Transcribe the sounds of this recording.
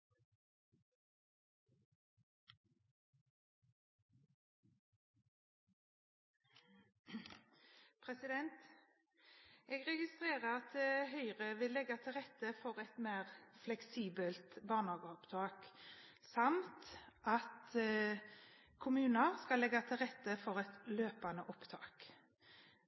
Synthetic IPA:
pʰʁɛsɪd̪ɛnt̪ | eːɡʁɛɡɪst̪ʁeːʁəʁɑt̪̚d̪ehœʏʁəʋɪlːɛɡɑt̪ʰɪlʁɛt̪ːəfɔʁɛt̪meːʁflɛksiːbəlt̪bɑːʁnhɑːɡəɔpt̪ʰɑːk | sɑmt̪ʔɑt̪ | kʰʊmʉːnəʁskɑlːɛɡɑt̪ʰɪlʁɛt̪ːəfɔʁɛt̪løːpɑnəʔɔpt̪ʰɑːk

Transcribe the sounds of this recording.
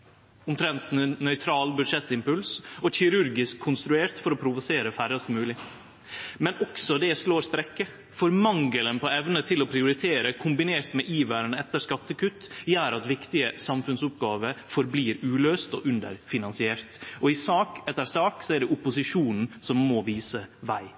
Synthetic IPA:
ʊmt̪ʰɾɛnt̪nnœʏt̪ʰɾɑːlbʉd̪ʂɛt̪ːɪmpʉlsɔçɪɾʉɾɡɪskʰːʊnst̪ɾʉeːɾt̪fɔɾɔpʰɾʊʋʊseːɾəfæɾɑst̪mʉːlɪ | mɛnʔɔksɔd̪ɛsloːɾst̪ɾɛkːə | fɔɾmɑŋɡələnpɔɛʋnət̪ʰɪlɔpʰɾɪʊɾɪt̪ʰeːɾəkʰʊmbɪneːɾt̪mɛʔiːʋæːɾənɛt̪ːəɾskɑt̪ːəkʉt̪ːjæːɾɑt̪ʋɪkt̪ɪəsɑmfʉnsʊp̚ɡɑːʋəfɔɾbliːɾʉːløːst̪ɔ̰ʔʉnd̪ə̰ɾfɪnɑnsɪeːɾt̪ɔɪsɑːkɛt̪ːəɾsɑːksɔæɖɛʔʊpʊsɪʂuːnn̩sɔmːɔʋiːsəʋæ̰ɪ

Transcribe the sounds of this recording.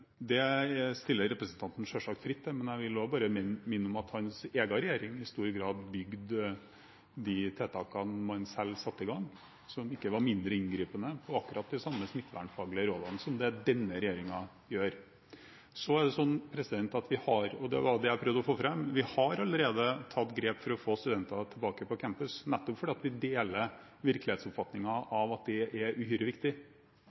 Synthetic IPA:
d̪ɛst̪ɪlːəɾɛpɾəsənt̪ʰɑnt̪n̩ʂøːʂɑkt̪fɾɪt̪ːɛmɛnjæɪʋɪlobɑːɾəmmɪnːʊmɑt̪hɑnseːɡɑɾɛjeːɾɪŋɪɪst̪uːɾɡɾɑːd̪bʏɡd̪ | d̪ɪt̪ʰɛːt̪ʰɑːkɑnmɑnsɛlːsɑt̪ːɪɡɑŋː | sɔmɪkːəʋɑɾmɪnd̪ɾəɪnɡɾiːpənəpʰɔɑkːʉɾʔɑt̪̚d̪ɪsɑmːəsmɪt̪ːʋæ̰ɳfɑːɡlɪəɾoːd̪ɑnəsɔmd̪ɛd̪ɛnːəɾɛjeːɾɪŋɑ | jøːɾ | sɔæɖɛsɔnːpʰɾɛsɪd̪ɛnt̪ɑt̪ʋɪhɑɾɔd̪ɛ̰ʋɑd̪ɛæɪpʰɾœʋd̪ɔfoːfɾɛmːʋɪhɑɾɑlːəɾeːd̪ət̪ʰɑt̪ːɡɾeːpfɔɾɔfoːst̪ʉd̪ɛnt̪ɑt̪ʰɪlbɑːkəpɔkʰæmpʉsnɛt̪ːɔpfɔɖɛːɑt̪ʋɪd̪eːlə | ʋɪɾklɪheːt̪sɔpfɑt̪nɪŋɑʔɑʋɑt̪̚d̪ɛʔɛɾʉhyːɾəʋɪkt̪ɪ

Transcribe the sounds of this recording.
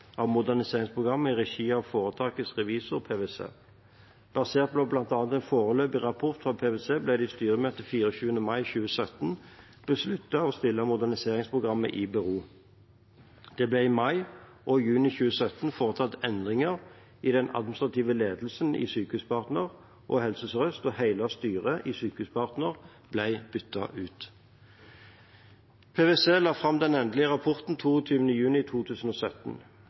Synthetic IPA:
ʔɑʋmʊd̪æʁnɪseːʁɪŋspʰʁʊɡʁɑmːəɪʁɛʃiːɑʋfoːʁət̪ʰɑːkəsʁɛʋiːsəʁɔpʰeːʋeːsḛː | b̥ɑseːʁt̪̚bloːblɑnt̪ɑːnt̪ɛnfoːʁəløːpɪʁɑpʰʊʁt̪fʁɑːpʰeːʋeːseːblɛd̪ɛɪst̪yːʁəmøːt̪əfiːɾɔɕʉːənəmɑɪçʉːəsœt̪n | b̥əslʉt̪ːɑɔst̪ɪlːəmʊd̪æʁnɪseːʁɪŋspʰʁʊɡʁɑmːə̰ʔɪbɛʁuː | d̪̥ɛblɛɪmɑɪʔɔjʉːnɪçʉːəsœt̪ːnfoːʁət̪ʰɑt̪ɛnd̪ʁɪŋəʁ | id̪ɛnɑ̰d̪̚mn̩st̪ʁɑt̪iːʋəleːd̪l̩sənḭsyːkəhʉːspʰɑʁt̪nəʁ | ʔɔːhɛlsəsʁœst̪ɔhæɪlɑst̪yːʁəʔisyːkʉːspɑʁt̪nəʁ | blæɪb̥ʏt̪ːɑ̰ʔʉːt̪ | pʰeːʋeːseːlɑːfʁɑmd̪ɛnɛnd̪əlɪəʁɑpʰɔʁt̪n̩t̪ʰuːɔt̪ʰyːʋənəjʉːnɪt̪ʰuːt̪ʰʉːsən̩oːsœt̪n̩

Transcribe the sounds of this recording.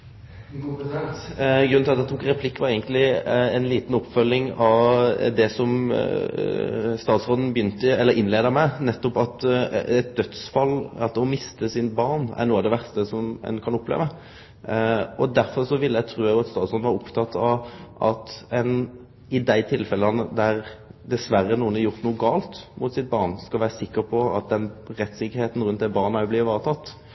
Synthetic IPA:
ɡɾʉnʰɪɑt̪ːɛt̪ʰuːkɾɛpʰlɪkːʋɑɾɛɪɡənt̪lɪɛnliːt̪n̩ɔpːfœlːɪŋɑʋd̪ɛsɔm | st̪ɑːt̪sʁoːd̪n̩bəjʏnt̪əɛləɾʔɪnleːd̪əɾmæɪnɛt̪ːɔpɑt̪ɛt̪̚d̪œt̪sfɑlːɑɔmɪst̪əsɪnbɑɾnæ̰ɾnuːɑʋd̪ɛʋæɾst̪əsɔmɛ̰nkʰɑnʊpːlḛːʋə | ɔd̪æɾfɔʁʂɔʋɪlːəjæɡt̪ʰɾuːjæɡjʊɑt̪st̪ɑːd̪sʁɔnʋɑːɾʊpt̪ʰɑt̪ʰːɑʋʔɑt̪ɛn | ɪd̪æɪt̪ʰɪlfɛlənəd̪æɾd̪ɛsʋæɾːənuːənæɾʁjʊʁt̪nuːɡɑːlt̪mʊt̪sɪt̪̚bɑʁnskɑlʋæːʁəsɪkːəɾpʰɔɑ̰t̪̚d̪ɛnɾɛt̪ːsɪkːəɾheːt̪n̩ɾʉnt̪̚d̪ɛbɑːʁnəæɔbliːʋəʋɑːʁət̪ʰɑt̪ː

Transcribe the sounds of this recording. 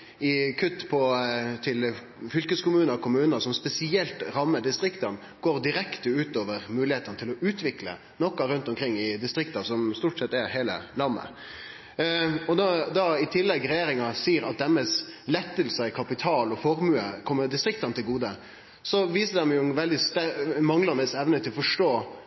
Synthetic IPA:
ɪkʰʉt̪ːpʰɔt̪ʰɪl | fʏlkəskʊmʉːnəkʊmʉːnəsɔmspɛsɪɛlt̪ɾɑmːəd̪ɪst̪ɾɪkt̪ɑn | ɡ̥oːʁd̪ɪɾɛkt̪əʉːt̪oːʋəɾmʉːlɪheːt̪ənət̪ʰɪlɔʉːt̪ʋɪklə̰ | nɔkːɑɾʉnt̪ɔmkʰɾɪŋːɪd̪ɪst̪ɾɪkt̪ɑsɔmst̪uːʈsɛt̪ːɛɾɦeːlə̰lɑmːə̰ | ɔd̪d̪ɑɪt̪ʰɪlːɛɡɾɛjeːɾɪŋɑsiːɾɑt̪̚d̪ɛmːəslɛt̪ːəlsəɪkʰɑpɪt̪ʰɑːlɔfɔɾmʉːəkʰɔmːəd̪ɪst̪ɾɪk̚t̪ɑnt̪ʰɪlɡuːd̪ə | sɔʋiːsəd̪ɛmjʊʋɛld̪ɪst̪ɛmɑŋlɑnɛsɛʋnət̪ʰɪlɔfɔʂʈoː

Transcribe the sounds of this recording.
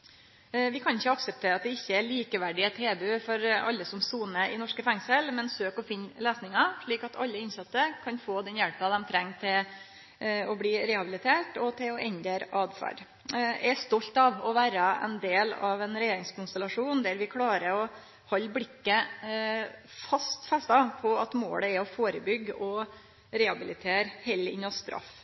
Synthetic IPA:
ʋɪkʰɑnɪçːəɑksəp̚t̪ʰeːɾəɑt̪̚d̪ɛɪçːəɛɭiːkəʋæɖɪət̪ʰeːbʉːfɔɾɑ̰lːəsɔmsuːnəʔɪnɔʂkəfɛŋsəlmɛnsøːkɔfɪnleːsnɪŋɑʂɭiːkɑt̪ʰɑ̰lːəɪnsɑt̪ːəkʰɑnfoːd̪ɛnjɛlpəd̪ɛmt̪ʰɾɛŋːt̪ʰɪl | ɔbliːɾɛhɑbɪlɪt̪ʰeːʈɔt̪ʰɪlɔʔɛnd̪eɾɑːd̪fɑ̰ɖ | ɛɾst̪ɔlt̪ɑʋɔʋæːɾəɛ̰nd̪eːlɑ̰ʋɛnɾɛjeːɾɪŋskʊnst̪əlɑʂuːnd̪æɾʋɪkʰlɑːɾəɾɔ | hɔlːblɪkːə | fɑst̪fɛst̪ɑpʰɔɑt̪mo̰ːɽəɛɔfoːɾəbʏɡɔ | ɾɛhɑbɪlɪt̪ʰeːɾhɛlɪ̰nːɑst̪ɾʔɑ̰f

